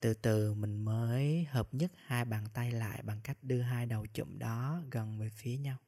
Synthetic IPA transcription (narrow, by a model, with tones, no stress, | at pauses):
t̪ɨ˨˩t̪ɨ˨˩mï˨˩ŋ̟məː˨˦jhəː˨˩p̚ɲə˦˥t̚haː˧jɓaː˨˩nt̪a˧jla̰ː˧˨jɓa˨˩ŋka˦˥jk̟̚ɗɨ˧əɦaː˧jɗə˨˩wt͡ɕṵ˧˥˨mɗɔ˨˦ɣə˨˩nvəː˨˩jfi˨˦əɲa˧w